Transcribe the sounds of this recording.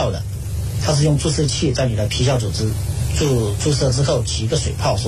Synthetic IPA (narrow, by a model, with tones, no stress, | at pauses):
ʊd̪ə̰˩ | t̪ʰa˥ʂ̬ɻ̩˥˧jʊ˥˧ŋt͡su˥˧ʂɤ˥˧t͡ɕʰi˥˧t͡sa˥˩ɪny˨˩la˧˥pʰi˧˥ɕjɑ˥˩ʊʈ͡ʂu˨˩ʈ͡ʂ̩˥ | u˥˧ʈ͡ʂu˥˧sɤ˥˩ʈ͡ʂɻ̩˥xo˥˩ʊt͡ɕʰi˧˥i˧˥ɡə˧ʂwe˨˩ɪpʰɑ˥˩ʊʂ